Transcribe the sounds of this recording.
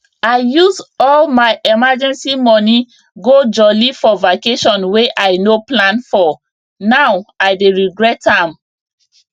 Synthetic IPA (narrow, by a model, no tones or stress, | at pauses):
aɪjuzɔlmaɪʔɛmad͡ʒɛ̃nsimɔni | ɡod͡ʒɔlifɔvakeʃɔ̃nweʔaɪnoplãnfɔ | nawaɪdeɹiɡɹɛthãm